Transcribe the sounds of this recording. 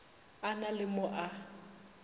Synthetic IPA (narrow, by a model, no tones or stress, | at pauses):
analɪmʊʔa